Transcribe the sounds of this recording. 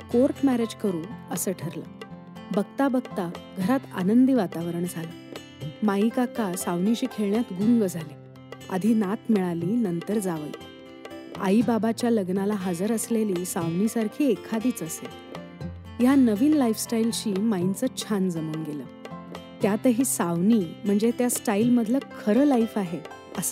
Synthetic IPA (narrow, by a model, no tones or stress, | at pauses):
koɾʈmæɾed͡ʑkəɾuːnəsəʈʰəɾla̰ | bəɡt̪abəɡt̪aɡʱəɾat̪a̰nənd̪iːʋat̪aʋəɾəɳd͡zʱalə | maikakʰasaʋnit͡ɕiːkʰeɭɳjat̪ɡuŋɡəd͡zʱali | a̰d̪ʱiːnat̪miɭaliːnənt̪əɾd͡zaʋl | a̰ibabat͡ɕjaləɡnalaɦad͡zəɾəsleliːsaʋnisaɾkʰiːekʰad̪iːt͡səse | janəʋiːnlaifsʈailt͡ɕiːmaint͡sət͡ɕʰand͡zəmuːnɡeləːt̪jat̪əɦiːsaʋnim̤əɳd͡zet̪jasʈailməd̪ʱləkʰəɾəːlaifaɦe | əsə